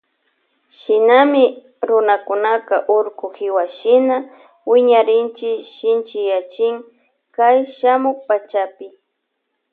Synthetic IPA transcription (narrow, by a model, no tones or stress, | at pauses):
ʃɪnamɪ | ɾʊnakʊnakaʔʊɾkʊxɪwaʃɪna | wɪɲaɾɪnt͡ʃɪʃɪnt͡ʃɪjat͡ʃɪŋ | kajʃamʊk̚pat͡ʃapɪ